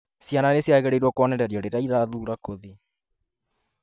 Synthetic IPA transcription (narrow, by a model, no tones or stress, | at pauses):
sjananesjaɣɛɾeiɾwɔkwɔnɛɾɛɾjɔɾeɾeaiðaðuːɾakoði